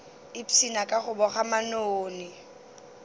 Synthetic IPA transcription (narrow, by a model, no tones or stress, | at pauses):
ɪpsinakʼaχʊbɔχamanoːnɪ